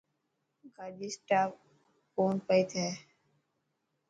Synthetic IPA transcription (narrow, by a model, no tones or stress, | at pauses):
ɡaːd͡ʒisʈaː | oːnpəit̪ʰɛː